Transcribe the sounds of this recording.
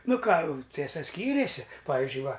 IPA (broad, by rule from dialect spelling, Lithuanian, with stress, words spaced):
ˈnʊ ˈkɑː ˈtʲiɛsɐ ˈsʲkʲiːrʲeːsʲɪ ˈpɑːʋʲɪzʲd͡ʒʲʊɪ ˈʋɐ